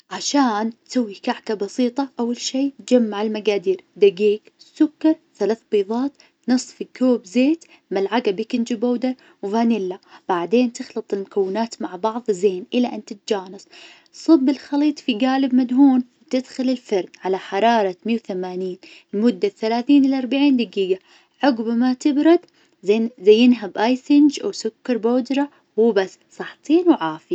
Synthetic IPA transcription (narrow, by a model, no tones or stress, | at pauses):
ʕaʃaːnt̪sawːikaʕkabɑsiːt̪ˤɑʔawːalʃiːt̪̚d͡ʒamːaʕɪlmaɡaːd̪iːɾd̪aɡiːksʊkːɑɾˤθalaːθbiːðˤɑːt̪ | nɨsˤːfikoːbzeːt̪ | malʕaɡabikɪnd͡ʒɪboːd̪ɑɾ | wvaːnɪlːab̥aʕd̪eːnt̪ɪxlɨt̪ˤɪlmʊkawːɪnaːt̪maʕbɑʕðˤzeːnʔɪlːaʔɪnt̪ɪt̪̚d͡ʒaːnɨsˤ | sˤɨbːɪlxɑliːt̪ˤfiɡaːlɪbmad̪ɦuːnwt̪ɪd̪xʊlɪlfɑɾˤdʕalaħɑɾˤɑːɾˤɑmiːwθamaːniːn | lmʊd̪ːaθalaːθiːnʔɪlʔɑɾˤbaʕiːnd̪ɪɡiːɡa | ʕʊɡbmat̪ɪbɾɑd̪ | zajːɪnɦabʔajsɪnd͡ʒʔawsʊkːɑɾˤboːd͡ʒ̪ɾˤɑ | wubasːsˤɑħt̪ˤiːnwʕaːfɪa